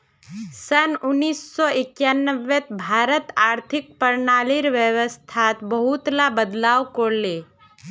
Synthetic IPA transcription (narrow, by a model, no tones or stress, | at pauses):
sənʊnːiːsːɔɪkjaːnːəʋːet̪bʱaːɾət̪aːɾt̪ʰɪk̚pəɾnaːlɪɾʋəʋəst̪ʰat̪bəɦut̪labəd̪laːwkoɾle